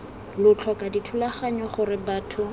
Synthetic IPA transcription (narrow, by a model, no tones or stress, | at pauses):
lʊt͡ɬʰwakʼaditʰulaχaɲɔχʊrɪbaːtʰʊ